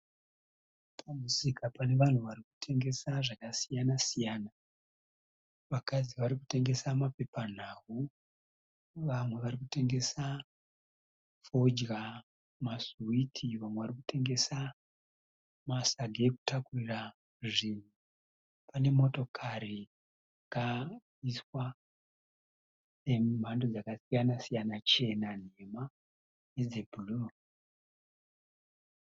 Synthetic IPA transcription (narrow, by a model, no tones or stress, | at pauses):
pʰamusikʰapane̞ʋan̤uʋaɾiku̥tʰe̞ŋɡe̞saʐakasijanasijana | ʋakad͡ziʋaɾiku̥te̞ŋɡe̞samape̞pan̤aːwu | ʋamwe̞ʋaɾikute̞ŋɡe̞sa | fo̞d͡ʒɡa | masuwitʰiʋamweʋaɾikute̞ŋɡe̞sa | masaɡʱeeku̥takurira | ʐin̤u | pʰane̞mo̞to̞kʰari | aka | iswa | se̞m̤ʱandod͡zakasijanasijanat͡ʃe̞nan̤e̞ma | jed͡zebʱuluro